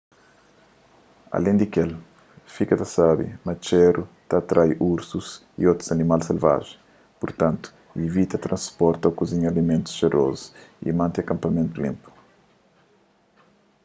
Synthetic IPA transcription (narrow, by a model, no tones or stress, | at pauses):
ɐ̰lẽnd̪ikel | fikɐt̪ɐsabḭmɐt͡ʃɛɾut̪at̪ɾʔajuɾsuz | ḭot̪ɾuzɐnimalselva̰ʒẽ | puɾt̪ɐ̃nt̪u̥ | ivit̪ɐt̪ɾɐ̃nspɔɾt̪ɐwkuziɲɐlimẽnt̪u̥sʃeɾo̰zuḭmɐ̃nt̪ɐkɐ̃mpɐmẽnt̪ulḭ̃mpu̥